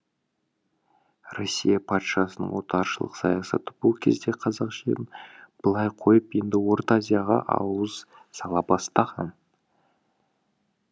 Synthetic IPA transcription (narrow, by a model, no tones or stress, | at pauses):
rosʲːijɑpʰɑt̪ʃɑsənə̰ɴwo̞t̪ɑɾʃəlˠə̰qsɑ̰jɑsɑ̰t̪əb̥ʊlˠkʲʰe̞zd̪e̞qʰɑzɑqʒḛlʲɪnb̥əlˠɑjqʰo̞jəpje̞nd̪ɪwo̞ɾt̪azʲijaʁɑ̰ʔɑ̰wəz | sɑlˠɑbɑst̪ɑʁɑn